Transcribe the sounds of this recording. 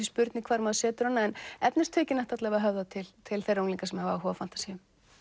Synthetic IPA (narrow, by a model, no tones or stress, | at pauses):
ispʏɾt̪nɪkʰvaːɾmaːðʏsɛːt̪ʏɾɔnːaɛnɛpnɪst̪ʰœːcɪnɛht̪at̪lɛvaɦœvðat̪ʰɪlt̪ʰɪlθejrownliŋkasɛmhavaaɦɔːvafan̥t̪ḁsiːʏm